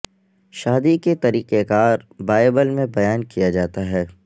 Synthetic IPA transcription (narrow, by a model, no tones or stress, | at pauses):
ʃaːd̪iket̪ɐɾiːqekaːɾbaːɪbəlmẽbɐjaːnkijad͡ʒaːt̪aɦɛː